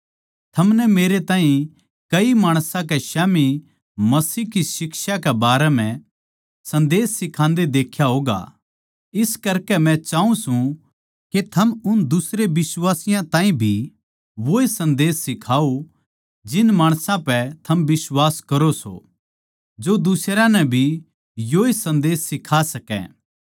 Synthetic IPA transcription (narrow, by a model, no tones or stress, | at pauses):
t̪ʰɐmnɛmeːɾet̪ãːɦĩ | kɐimaːɽ̃sãk̬eʃaːmi | mɐsiːkisɪkʃakɛbaːɾɛmɛ̃ | sɐ̃nd̪eːsːɪkʰãːnd̪ed̪eːkʰjaɦoːɡa̰ | ɪskɐɾkɛmɛ̃t͡ʃaːũsũ | ket̪ʰɐmʊnd̪ʊsɾebɪswaːsɪjãt̪ãːĩbʱi | ʋoːesɐ̃nd̪eːsːɪkʰaːo | d͡ʒɪnmaːɽ̃sãpɛt̪ʰɐmbɪswaːskɐɾoso̰ | d͡ʒod̪ʊsɾãnɛbʱi | joːesɐ̃nd̪eːsːɪkʰasɐkɛ̰̃